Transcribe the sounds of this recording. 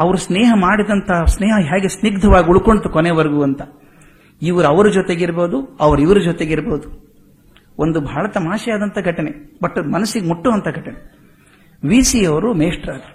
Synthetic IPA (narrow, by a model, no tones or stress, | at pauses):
ɐʋɐɾusneːɦɐmaːɽid̪ɐnt̪ʰɐsneːɦɐɦaːɡesniɡd̪ʱɐʋaːɡiuɭkoɳɖt̪ukoneʋɐɾɡuɐnt̪ɐ | iʋɐɾuɐʋɐɾud͡ʒoːt̪e̞ɡiɾboːd̪uɐʋɐɾiʋɐɾud͡ʒoːt̪eɡiɾboːd̪u | ond̪ubʱaːɭɐt̪ɐmaːʃɐjaːd̪ɐnt̪ʰɐɡʱɐʈɐnebɐʈːmɐnɐsːiɡemuʈːuːʋɐnt̪ʰɐɡʱɐʈine | ʋiːsiɐʋɐɾumeːʂʈɾaːd̪ɐɾ